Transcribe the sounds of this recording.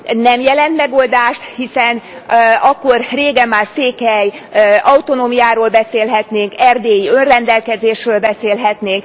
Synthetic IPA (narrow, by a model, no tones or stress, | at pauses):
nɛmjɛlɛnt̪mɛɡoːld̪aːʃt̪hisɛnɒkːorreːɡɛmːaːrseːkɛjɒut̪o̞noːmijaːɾoːlbɛseːlɦɛt̪neːŋkɛrd̪eːjiø̞nrɛnd̪ɛlkɛzeːʃrøːlbɛseːlɦɛt̪neːŋk